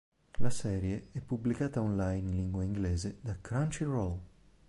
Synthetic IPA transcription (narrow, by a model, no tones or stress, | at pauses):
lasɛːɾjeɛpːublikaːt̪aɔnlajnliŋɡwaiŋɡlɛːzed̪akɾant͡ʃirol